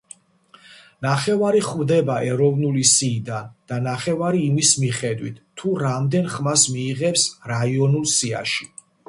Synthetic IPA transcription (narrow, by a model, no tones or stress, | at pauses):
naχɛvaɾiχvd̪ɛbaʔɛɾɔvnulisiːd̪and̪̥anaχɛvaɾiːmismiχɛd̪wit̪ʰːuɾamd̪ɛnχmasmiːʁɛpsɾaiɔnulˠsia̰ʃi̥